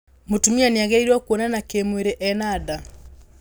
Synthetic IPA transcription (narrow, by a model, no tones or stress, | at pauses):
mutumianiaɡɛiɾwakuɔnanakemweɾeʔɛnada